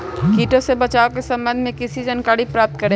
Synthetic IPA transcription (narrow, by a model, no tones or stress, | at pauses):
kiːʈõsebɐt͡ʃaːokesɐ̃mbə̃nd̪ʱmẽkɪsid͡ʒɐnkaːɽipɾaːp̚t̪̚kɐɾẽ